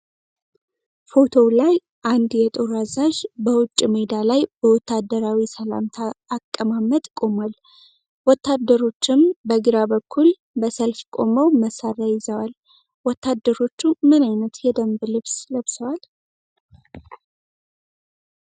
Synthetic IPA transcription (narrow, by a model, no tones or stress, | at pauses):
fo̞t̪ʰo̞wlaj | ʔand̪jɛt̪ʼoɾazaʒbəwʊt͡ʃʼːiməd̪alajbəwɔt̪ːad̪ːəɾawisəla̰mt̪ʰaːkʼːəmamət̪ʼkʼo̞mal | wɔt̪ːad̪ːəɾo̞t͡ʃːɪmbəɡɨɾabəkʰːul | bəsəlfkʼo̞məwməsarajɪzəwal | wɔt̪ʰːad̪ːəɾo̞t͡ʃːumɨnajnət̪jɛd̪əmblɨβsləβsəwal